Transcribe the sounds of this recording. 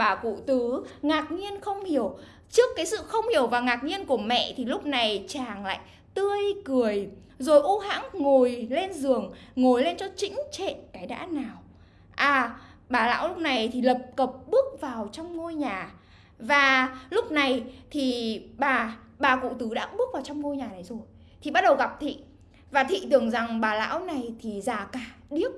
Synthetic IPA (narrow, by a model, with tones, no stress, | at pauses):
aː˨˩kṵ˧˨t̪ɨ˨˦ŋaː˨˩k̚ŋi˧ənxə˧wŋ͡mhi˧˩əw | t͡ɕɨ˦˥əkːaː˨˦jsɨ̰˧˨xə˧wŋ͡mhi˧˩əwvaː˨˩ŋaː˨˩k̚ɲi˧ənku˧˩əmɛ̰˧˨t̪ʰi˨˩lʊ˦˥k͡p̚na˨˩jt͡ɕaː˨˩ŋla̰ː˧˨j | t̪ɨ˧əjkɨ˨˩əj | zo˨˩jʔu˧ɦa̰ː˧˥ŋŋo˨˩jle˧nzɨ˨˩əŋŋo˨˩jle˧nt͡ɕɔ˧t͡ɕï˧˥ŋ̟t͡ɕḛ˧˨nkaː˨˦jɗa̰ː˧˥naː˨˩w | ʔaː˨˩ɓaː˨˩la̰ː˧˥wlʊ˦˥k͡p̚na˨˩jt̪ʰi˨˩lə˨˩p̚kə˨˩p̚ɓɨ˦˥ək̚vaː˨˩wt͡ɕɔ˧wŋ͡mŋo˧jɲaː˨˩ | vaː˨˩lʊ˦˥k͡p̚na˨˩jt̪ʰi˨˩ɓaː˨˩ | ɓaː˨˩kṵ˧˨t̪ɨ˨˦ɗa̰ː˧˥ɓɨ˦˥k̚vaː˨˩wt͡ɕɔ˧wŋ͡mŋo˧jɲaː˨˩ɗə˨˦jzo˨˩j | t̪ʰi˨˩ɓa˦˥t̚ɗə˨˩wɣa˨˩p̚t̪ʰḭ˧˨ | vaː˨˩t̪ʰḭ˧˨t̪ɨ˨˩əŋza˨˩ŋɓaː˨˩la̰ː˧˥wna˨˩jt̪ʰi˨˩zaː˨˩kaː˨˩ɗi˦˥əp̚